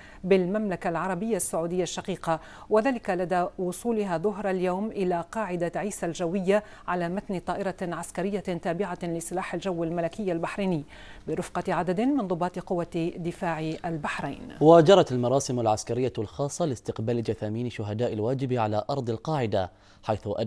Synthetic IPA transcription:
bɪlmamlakalʕɑɾˤɑbɪjːasːʊʕuːd̪ɪjːaʃːɑqiːqɑ | waðaːlɪkalad̪awʊsˤuːlɪɦaðʊɦɾˤaljawmʔɪlaqɑːʕɪd̪aʕiːsald͡ʒawːɪjːa | ʕalaːmat̪nɪt̪ˤɑːʔɪɾɑʕaskaɾɪjːat̪aːbɪʕalɪsˤɨlaːħalʒawːalmalakɪjːalbaħɾiːnɪː | bɪɾˤʊfqɑʕad̪ad̪mɪnðˤʊbːɑːt̪qʊwːad̪ɪfaːʕʔalbaħɾa̰jnwad͡ʒɑɾˤɑt̪almɑɾˤɑːsɪmalʕaskaɾɪjːalxɑːsˤːɑlɪst̪ɪqbaːlɪd͡ʒaθaːmiːnʃʊɦad̪aːʔɪlwaːd͡ʒɪbʕalaʔɑɾˤd̪ˤɪlqɑːʕɪd̪a | ħajθʊʔa

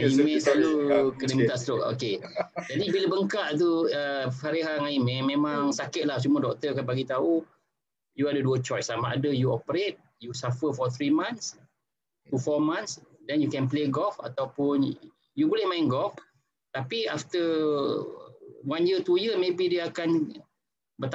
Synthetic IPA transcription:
aimɛ̃salukədəmit̪asɾʊko̰ked͡ʒadibiləbəŋkaʔt̪̬uəfaɾiɦaŋaimɛ̃mẽmãŋsakɪt̪̚lahsumũədɔk̚t̪əkanbaɡit̪au | juadəduət͡ʃɔjsːamaadəjuopəɾet̪̚ | jusafəfɔt̪ɾimãnt̪s | t̪ufɔmãnsdɛnjukɛnpleɡɔfa̰t̪awpʊn | jubulɪhmaɪnɡɔf | t̪apiaft̪ə | wanjət̪ujəmebidəakan | bət̪

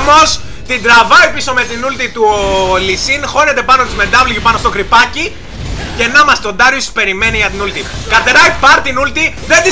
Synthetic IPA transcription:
mo̞s | t̪id̪ɾɐvɐipiso̞me̞t̪inult̪it̪ulisinxo̞ne̞t̪e̞pɐnot̪izme̞d̪ɐvlʝipɐnost̪o̞kɾipɐci | ce̞nɐmɐst̪o̞nd̪ɐɾjosi̥spe̞ɾime̞niʝɐt̪inult̪i | kɐt̪eɾɐipɐɾt̪inult̪i | ðend̪i

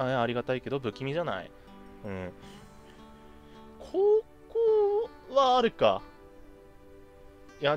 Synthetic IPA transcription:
ajaːɾʲiɡat̪aike̞d̪o̞bɯ̟kʲimʲiʑana̰ḭ | ɯ̟̃ | kʰoː | koː | βaːɾɯ̟ka̰ | ja

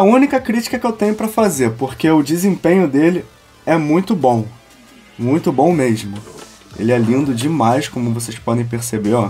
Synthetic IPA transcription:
ɛɐũnikɐkɾit͡ʃi̥kɐkɪewt̪ẽɲʊpɾɐfazeɾpoχkeʊd͡ʒizẽpẽɲʊd̪elɪ | ɛmũj̃t̪ʊbõw̃ | mũj̃t̪ʊbõw̃meʒmʊ | ḛlɪɛlĩnd̪ʊd͡ʒimajskõmʊvosejspɔd̪ẽj̃peɾsebeɾɔ

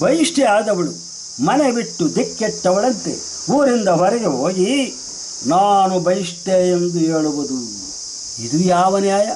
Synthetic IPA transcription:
bɐjiʂʈɛaːd̪ɐʋɐɭu | mɐnebiʈːud̪ikːet̪ːɐʋɐɭɐnt̪ḛ | uːɾind̪ɐɦɐɾɛɡeɦoːɡi | naːnubʱɐjiʂʈ̪eːend̪ueːɭuʋud̪u | id̪ujaːʋɐnjaːjɐ

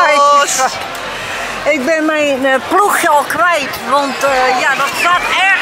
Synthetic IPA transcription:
ɪk̚bɪnmɛjnpluxjɔlˠkʋɛjtʋɔntːjaːdɔtsaːtɛ

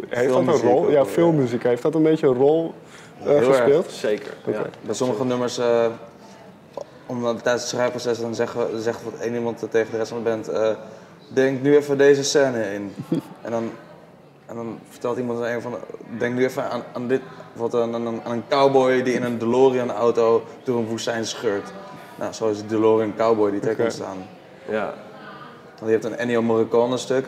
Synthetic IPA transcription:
elˠoljafɪlˠmyzikaɦeftɔtənbejtəərɔlˠ | eəsɛpɪːlˠtsejkə̰ɹoḛbɛjsoməχənøməɹsə | ɔmdtɛjstə̥srɛjprosɛsədɔnzɛzɛxtʋɔtḛːnimɑnttːeːχəndərɛstfɔnəbɛntə | dɛŋktnyɛfədeːzəsɛːnəɪnʔɛ̰ndɔn | ɛndɔnfəɹtɛlˠtimɑnteːnəfɔndɛŋknyɛfəanandɪtʋɔtnanənkawbɔjdiɪnəndəloːriənawtow | d̥oːrənʋusɛjnsχøəɹt | nʔa̰soːɪsədəloːriənkawbɔjditɛkəsta̰ːn | ɔnəhɛptənnjomɔrəkɔnəstøk

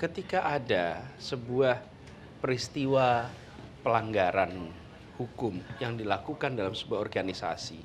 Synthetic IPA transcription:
kət̪ikaʔadasəbuah | pəɾist̪iwa | pəlaŋɡaɾan | hukʊmjaŋdilakukandalamsəbuahɔrɡanisa̰si

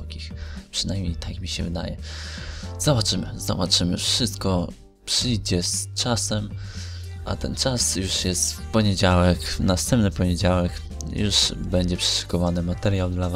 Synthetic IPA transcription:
kʲixpʂɨnajmʲɲejt̪akmʲiɕɛvɘd̪a̰jɛ | z̥ɔbat͡ʂɘmɘ̰zɔ̰bat͡ʂɘmɘ̰fʂɘst̪kɔ | pʂɘjd͡ʑɛst͡ʂasɛm | ʔa̰t̪ɛnt͡ʂasjuʂjɛst̪pɔɲed͡ʑawɛknast̪ɛmpnɘpɔɲed͡ʑawɛk | juʂbɛɲd͡ʑɛpʂɛ̥ʂu̥kɔvanɘmat̪ɛɾʲjawd̪lav

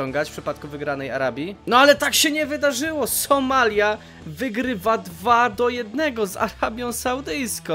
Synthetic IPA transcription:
ɔŋɡat͡ɕfpʂɘpat̪̚kuvɘɡɾanɛja̰ɾabʲjinɔalɛt̪akɕɛɲɛvɘd̪aʐɘwɔsɔmalʲja | vɘɡɾɘvad̪vad̪ɔjɛd̪nɛɡɔza̰ɾabʲjɔ̃w̃sawd̪ɘjskɔ̃w̃

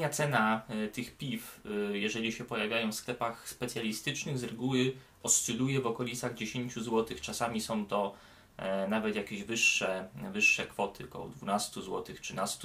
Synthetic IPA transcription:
ɲat̪sɛnat̪ɘxpʲifjɛʐɛlʲiɕɛpɔjavʲjajɔ̃w̃fsklɛpaxspɛt̪sʲjalʲist̪ɘt͡ʂnɘɣzɾɛɡuwɘ | ɔst͡ʂɘlujɛvɔkɔlʲit̪saɣd͡ʑeɕeɲt͡ɕuzwɔt̪ɘxt͡ʂasamʲisɔ̃w̃t̪ɔ | navɛt̪jakʲeʑvɘʂːɛvɘʂːɛkfɔt̪ɘkɔ̰d̪vunast̪uzwɔ̰t̪ɘxtʂɨnast̪u

